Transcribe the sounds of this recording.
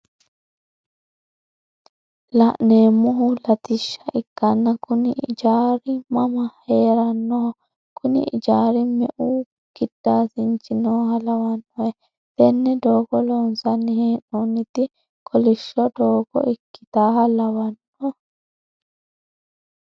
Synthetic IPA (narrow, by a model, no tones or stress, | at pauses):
lɐʔneːmːɔɦʊlɐt̪ɪʃːɐʔɪkːɐnːɐkʊnɪʔɪ̰d͡ʒaːɾɪmɐmɐheːɾɐnːɔhɔ | kʰʊnɪ̰ɪd͡ʒaːɾɪmɛʔu | ɡ̥ɪd̪̥ːaːsɪnt͡ʃɪnɔhɐlɐwɐnːɔɛ | t̪ɛnːɛd̪oːɡɔlɔnsɐnːɪheːnːɔnːɪt̪ɪ | kʰɔlɪʃːɔd̪oːɡɔ̰ʔɪkːɪ̥t̪aːhɐlɐwɐnːɔ